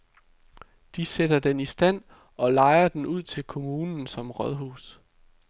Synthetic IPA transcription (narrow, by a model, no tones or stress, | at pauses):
d̥ised̥ɐd̥enisd̥æn̰ | ɒ̽lɑ̈ɪɐd̥enʔuð̞̰ˠt͡sʰe̝lkʰo̝muːnn̩sɒ̽mʁɒðˠɦṵːs